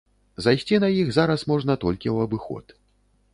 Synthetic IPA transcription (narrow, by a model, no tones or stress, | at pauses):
zajsʲt͡sʲinɐjixzaɾɐsmɔʐnɐt̪ɔlʲkʲiwɐbɨxɔ̰t̪